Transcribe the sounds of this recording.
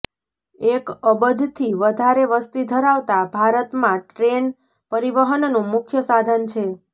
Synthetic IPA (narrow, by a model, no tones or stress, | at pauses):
ekəbəd͡ʒt̪ʰiʋəd̪ʱaɾeʋəst̪id̪ʱəɾaʋt̪abʱaɾət̪mãʈɾen | pəɾiʋəɦənnũmʊkʰjəsad̪ʱənt͡ʃʰe